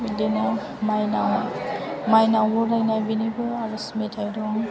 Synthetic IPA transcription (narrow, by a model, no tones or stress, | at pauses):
bilina | majnaw | majnawɔɾajnajbinibɯaɾɯsmetʰajdɔŋ